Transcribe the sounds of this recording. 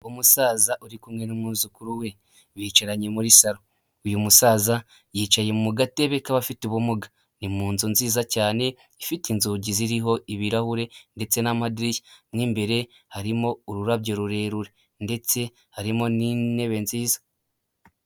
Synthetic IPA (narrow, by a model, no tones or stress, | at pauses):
umusaːzaʔuɾikumŋe̞numuzukuɾuwe̞ | βiːt͡ʃeɾaɲemuɾisaɾo | ujumusaːza | jiːt͡ʃaje̞mumuɡateβe̞kaβafituβumuɡa | nimuːnzunziːzacaːne̞ | ifitinzuːɟiziɾiɦo̞iβiɾahuɾe̞nde̞t͡se̞namadɾicinimbe̞ɾe̞ | haɾimo̞uɾuɾaβɟeɾuɾe̞ːɾuɾe̞ | nde̞t͡se̞ | haɾimo̞nine̞βe̞nziːzḁ